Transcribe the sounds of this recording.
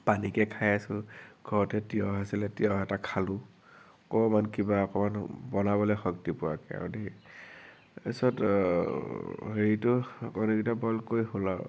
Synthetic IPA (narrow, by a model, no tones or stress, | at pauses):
panikɛkʰajasʊ̃ɡ̥ʱɔɹɔtɛtiɔɦasilɛtiɔɦɛtakʰalʊ | ɔkɔmankibaɔkɔmanbɔnabɔlɔjxɔktipʊa̰kɛa̰de | esɔt | heɹitʊkɔnukitabɔlkojɦʊla